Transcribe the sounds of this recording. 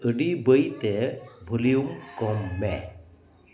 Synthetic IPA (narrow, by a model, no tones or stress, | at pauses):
əɖibəjt̪ɛbʱulijuŋkɔmːɛ